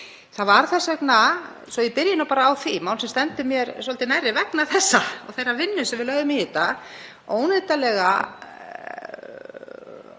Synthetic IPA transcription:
θaðvaɾ̥θɛsɛkna | sɔɪpɪɾjɪnawpaːɾaːwθimawlsɛmst̪ɛnt̪ʏmjɛɾsɔlt̪ɪnajrːɪvɛknaθɛsːaɔ̰ɣθejrːavɪnːʏsɛmvɪðlœɣðʏmɪhiːt̪a | oːwnɪt̪alɛɣa

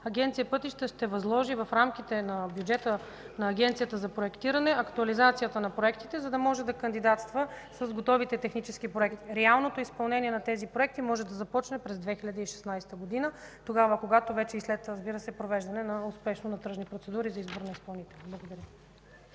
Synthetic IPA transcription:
ɐɡʲɛnt̪sijəpɤt̪iʃt̪əʃt̪ɛvɐzlˠɔʒivɐfɾamk̟it̪ɛnɐbjud͡ʒɛt̪ə | nɐːɡʲɛnt̪sijət̪əzɐpɾoɛkt̪iɾɐnɛʔɐkt̪uɐlizat̪sijət̪ənɐpɾoɛkt̪it̪ɛzɐd̪ɐmɔʒɛd̪ɐkɐnd̪id̪at̪st̪və | sɐzɡot̪ɔvit̪ɛt̪ɛxnit͡ʃɛsk̟ipɾoɛkt̪i̥ɾɛalˠnot̪oʊispɐlˠnɛniɛnɐt̪ɛzipɾoɛk̚t̪imɔʒɛd̪ɐzɐpɔt͡ʃnɛpɾɛzd̪vɛxiʎʲɐd̪əiʃɛ̥snajsɛ̥t̪əɡod̪inət̪oɡavəkoɡat̪ovɛt͡ʃɛislɛt̪ɾɐzbiɾəsɛpɾovɛʒd̪ɐnɛnɐʊspɛʃnonɐt̪ɾɤʒnipɾot̪sɛd̪uɾizɐizboɾnɐispɐlˠnit̪ɛlʲˠblˠɐɡod̪ɐɾʲjə

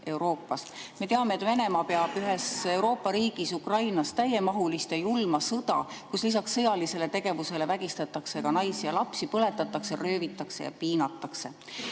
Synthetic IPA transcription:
ʔe̞wɾo̞ːpːˑɑs | me̞t̪e̞ɑme̞t̪ːˑve̞ne̞mɑpeɑb̥yɦe̞se̞wɾo̞ːpːˑɑɾiːɡ̥isukrɑjnɑst̪æje̞mɑɦulist̪ejulmɑsɤd̪̥ɑ̰kuslisɑksːɤjɑlise̞le̞t̪e̞ɡ̥e̞vuse̞le̞væɡ̥ist̪ɑt̪ːˑɑkse̞ɡɑnɑjsijɑlɑpsipɤle̞t̪ːˑɑt̪ːˑɑkserø̞ːvit̪ːˑɑkse̞̰jɑ̰piːnɑt̪ːˑɑkse̞

